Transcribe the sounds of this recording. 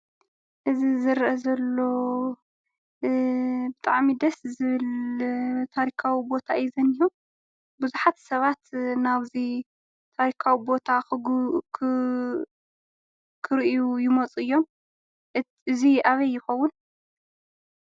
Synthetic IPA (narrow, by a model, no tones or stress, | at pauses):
ʔɨzizɨɾʔɐzɐlːo̞ | bɨt̪ʼaʕmid̪ɐszɨβɨl | t̪ʰaɾikʰawibo̞t̪ʰaɪzɐnihom | bɨzuħat̪sɐβat̪naβzi | t̪ʰaɾikʰawibo̞t̪ʰakʰ | kʰɨɾʔjujɪmot͡sʼɨjːo̞m | ɨziʔaβɐjːɪxɐwːʊn